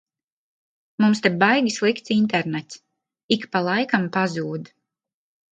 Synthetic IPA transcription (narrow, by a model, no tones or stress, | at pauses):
mumst̪ɛbajɡʲislˠikt̪sint̪ɛɾnɛt̪s | ikpalˠajkampazuːd̪